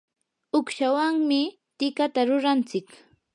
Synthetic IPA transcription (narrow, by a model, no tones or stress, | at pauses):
ʊkʃawaŋmɪ | t̪ɪkat̪aɾʊɾant͡sɪk